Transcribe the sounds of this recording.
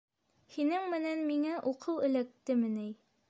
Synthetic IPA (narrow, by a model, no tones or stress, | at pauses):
hinɘŋmɘ̆nænmiŋæʔuqʰɤwɘ̆læk̚t̪ɘmɘnɘj